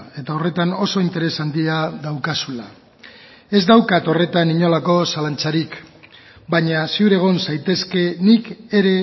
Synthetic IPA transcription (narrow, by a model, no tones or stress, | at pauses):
e̞t̪ao̞re̞t̪ano̞so̞int̪e̞ɾe̞sand̪iaðawkasula | e̞zd̪awkat̪o̞re̞t̪aniɲo̞lako̞salant͡saɾik | baɲasuɾe̞ɣ̞o̞nsajt̪e̞ske̞nike̞ɾe̞